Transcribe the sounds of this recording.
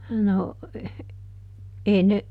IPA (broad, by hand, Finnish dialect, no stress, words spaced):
no ʔeː ne